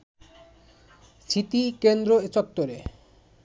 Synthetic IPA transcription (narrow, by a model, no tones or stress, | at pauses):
sʰit̪ikend̪ɾoet͡ɕɔk̚t̪oɾe